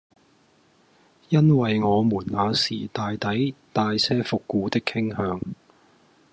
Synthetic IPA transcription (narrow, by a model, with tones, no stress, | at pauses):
jɐ˥nwɐ˨jŋɔː˨˧muː˨˩nŋaː˨˧sḭː˨˩t̪aː˨jt̪ɐ˨˥jt̪aː˨jsɛː˥fʊ˨kːuː˨˧t̪ɪ˥kʰːɪ˥ŋhœː˨˧ŋ